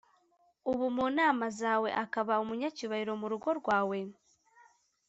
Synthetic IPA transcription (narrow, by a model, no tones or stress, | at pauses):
uβumuːnaːmazaːwe̞̰ʔakaβaumuɲaciβahiɾo̞muɾuɡo̞ɾɡwaːwe̞